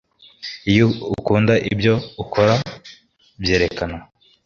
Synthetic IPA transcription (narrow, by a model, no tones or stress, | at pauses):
ijuukuːndaʔibjo̞ukʰo̞ɾa | bje̞ːɾe̞kana